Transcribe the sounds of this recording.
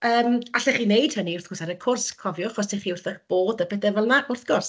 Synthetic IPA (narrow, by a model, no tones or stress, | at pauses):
əːmaɬɛχinejd̥həniʊrθɡʊsɛɾəkʰʊrskʰɔvjɔaχɔs̬tʰeχiʊrθəχb̥oːdəpʰɛθɛvɛlˠnaʊrθɡ̥ɔrs